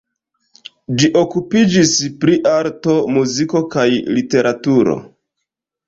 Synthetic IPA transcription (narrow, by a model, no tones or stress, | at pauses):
d͡ʒiʔo̞kupid͡ʒispɾiʔaɾto̞muziko̞kajlite̞ɾatuɾo̰